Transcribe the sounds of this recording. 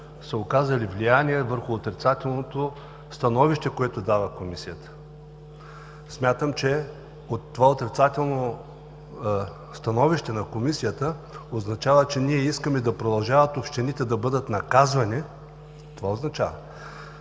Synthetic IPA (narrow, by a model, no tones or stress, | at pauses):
səokazɐlivlʲijanʲiɛvəɾxʊːt̪ɾit̪sat̪ɛlˠnot̪o | st̪ɐnɔviʃt̪ɛkoɛt̪ʊd̪avɐkomisijət̪ə̥ | smʲat̪əmt͡ʃɛ | ot̪ːovaot̪ɾit̪sat̪ɛlˠno | st̪ɐnɔviʃt̪ɛnɐkomisijət̪əoznɐt͡ʃavət͡ʃɛniɛiskəmɛd̪ɐpɾod̪ɐlˠʒavɐt̪opʃt̪ɛnit̪ɛd̪ɐbɤd̪ət̪nɐkazvɐni | t̪ovaoznɐt͡ʃavə